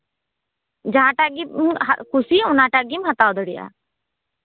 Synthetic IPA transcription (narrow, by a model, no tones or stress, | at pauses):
d͡ʒaɦãʈaɡimɦa̰kusiʊnaʈaɡimɦat̪awd̪əɽiʔa̰